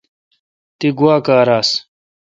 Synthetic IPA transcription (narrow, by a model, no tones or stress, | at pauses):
t̪iɡuwaːkaːɾaːs